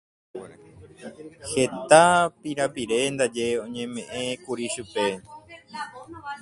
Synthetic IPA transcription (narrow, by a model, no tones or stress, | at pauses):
he̞t̪apiɾapiɾe̞nd̪ad͡ʒe̞õ̞ɲẽ̞mẽ̞ʔẽkuɾiʃupe̞